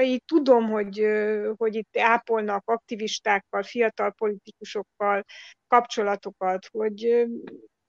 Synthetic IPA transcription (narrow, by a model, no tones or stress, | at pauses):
iːtt̪ːud̪o̞mɦo̞ɟho̞ɟit̪ːaːpo̞lnɒkɒk̚t̪iviʃt̪aːkːɒlfijɒt̪ɒlpo̞lit̪ikuʃo̞kːɒlkɒpt͡ʃo̞lɒt̪o̞kɒt̪ho̞ɟ